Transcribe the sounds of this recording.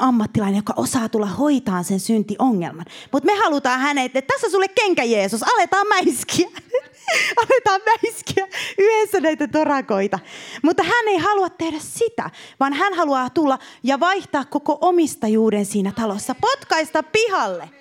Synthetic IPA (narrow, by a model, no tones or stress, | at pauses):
ɑmːɑt̪ːilɑinejokɑʔosɑːt̪ulːɑhoit̪ɑːnsensynt̪iʔoŋːḛlmɑnmut̪mehɑlut̪ɑːhænet̪ːet̪t̪æsːæsulːekkeŋkæjeːsusɑlet̪ɑːmmæiskiæ | ɑlet̪ɑːmmæiskiæyhesːænæit̪æt̪orɑkoit̪ɑmut̪ːɑhænːeihɑluɑt̪tehɾæssit̪æ̰ʋɑnhænhɑluɑːt̪ulːɑjɑʋɑiht̪ɑːkkokoʔomist̪ɑjuːdensiːnæt̪ɑlosːɑpot̪kɑist̪ɑppihɑlːe